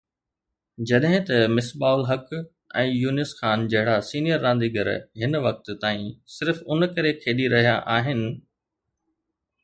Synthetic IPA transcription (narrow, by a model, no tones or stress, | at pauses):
d͡ʑɐɗɦɪ̃t̪ɐmɪsɓaːʊlɦɐk | ɛ̰̃ːjuːnɪsxaːnd͡ʑɐɦɪɽasiːnijəɾːãːnd̪iːɡəɾ̰ɦɪnʋɐk̚t̪t̪aːĩsɪɾfʊnkɐɾekʰeːɗiɾɐɦijaʔaːɦɪnɪ̆